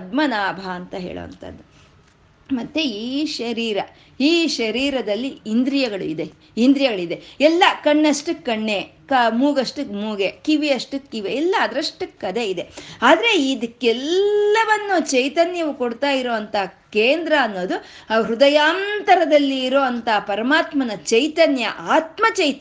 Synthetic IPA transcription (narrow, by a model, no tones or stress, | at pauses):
ɐd̪̚mɐnaːbʱaɐnt̪ɐɦḛːɭo̰ʋɐ̰nt̪ʰɐ̰d̪ːu | mɐt̪ːeiːʃɐɾiːɾɐ | iːʃɐɾiːɾɐd̪ɐlːiind̪ɾijɐɡɐɭṵid̪e | ind̪ɾijɐɡɐɭid̪e̞ɛlːɐkɐɳːɐʂʈukɐɳːe̞ | kɐmuːɡɐʂʈumuːɡekiʋiɐʂʈukiʋeɛlːɐːd̪ɾɐʂʈːukɐd̪e̞id̪e̞aːd̪ɐɾe̞id̪ɐkːɛlːɐʋɐnːut͡ʃɐjt̪ɐnjɐʋukoɽt̪aːjiɾoːɐnt̪ʰɐkeːnd̪ɾɐːnːo̞ːd̪u | ɾud̪ɐjaːnt̪ɐɾɐd̪ɐlːiːɾoːʋɐnt̪ɐpɐɾɐmaːt̪mɐnɐt͡ʃɐjt̪ɐnjɐ̰ʔaːt̪mɐt͡ʃɐjt̪